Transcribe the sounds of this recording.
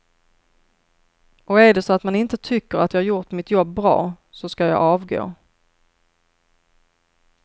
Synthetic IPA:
ʔɔæɖɛsɔat̪manɪnt̪ət̪ʰʏkːəɾat̪jɑːhaɾjʊɾʈ̪mɪt̪jɔbːɾɑ̰ː | sɔskajɑ̰ːʔɑːvɡo̰ː

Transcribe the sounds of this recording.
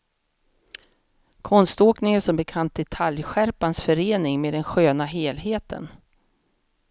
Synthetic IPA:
kʰɔnst̪oːknɪŋæʂɔmbɛkʰant̪̚d̪ɛt̪ʰaljɧæɾpansfœɾeːnɪŋmeːd̪ɛnɧøːnaɦeːlɦeːt̪ʰə̰n

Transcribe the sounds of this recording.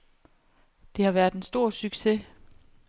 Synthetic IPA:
d̥e̝hɑ̈ʋæɐð̥ensd̥o̝ɐ̰syɡ̥se

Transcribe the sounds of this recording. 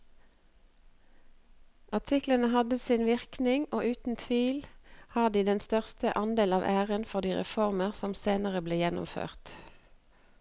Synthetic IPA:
ʔɑʁt̪ʰɪklənəhɑd̪əsiːnʋɪʁknɪŋoːʔʉːt̪n̩t̪ʰʋiːlhɑːd̪iːd̪ɛnst̪œʁst̪əʔɑnd̪eːlɑːʋʔæːʁənfɔʁd̪iːʁɛ̰fɔʁməʁsɔmseːnəʁəbleːjɛnʊ̰mfø̰ːʁt̪

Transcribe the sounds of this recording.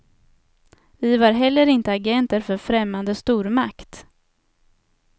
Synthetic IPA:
vɪvaɾɦɛlːəɾɪnt̪əaɡɛnt̪əɾfœɾfɾɛmːand̪əst̪uːɾmakt̪

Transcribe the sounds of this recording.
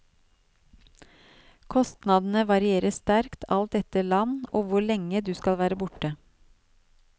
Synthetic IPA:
kʰɔst̪nɑd̪n̩əʋɑɾɪeːɾəsst̪æɾkt̪ʰɑlt̪ɛt̪əɭɑnoːʋʊɭɛŋəd̪ʉːskɑlʋæːɾəbʊʈə

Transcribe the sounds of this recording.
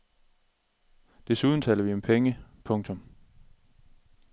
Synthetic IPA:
d̥e̝suðˠn̩t͡sʰɛ̰ːlɐʋiɒ̽mpʰeŋəpʰɔ̽ŋt͡sʰɔ̽m

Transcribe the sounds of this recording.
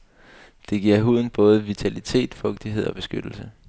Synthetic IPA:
d̥e̝ɡ̥iɐ̰ɦuð̰ˠn̩b̥ɔ̽ːð̞̩ˠəʋit͡sʰælit͡sʰe̝̰ːd̥fɔ̽ɡ̥̚d̥iɦe̝ð̞̰ˠɒ̽b̥e̝sɡ̥ød̥l̩sə

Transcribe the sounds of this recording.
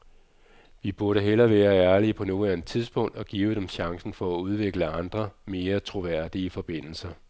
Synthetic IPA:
ʋib̥uɐɾəɦelɐʋæːɐæɐliəpʰɒ̽no̝ːlænət͡sʰiðˠsb̥ɔ̽ŋ̰d̥ɒ̽ɡ̥ḭːʊd̥emɕɑ̈ŋsn̩fɒ̽æuð̞ˠʋe̝ɡ̥ləɑ̈nd̥ʁɐme̝ːɐt͡sʰʁo̝ʋæɐ̰d̥iəfɒ̽b̥e̝n̰l̩sɐ

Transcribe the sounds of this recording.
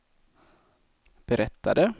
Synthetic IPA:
b̥ɛɾʔɛt̪ːad̪ə

